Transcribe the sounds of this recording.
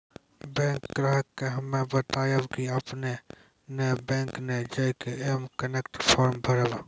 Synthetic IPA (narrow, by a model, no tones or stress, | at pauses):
bɛ̃ːŋkɡɾaːɦəkːeɦɐmẽbət̪aːjawkiɐpne | nebɛ̃ːŋkned͡ʒɐjkeemkənekʈpʰɔːɾmbʱəɾəla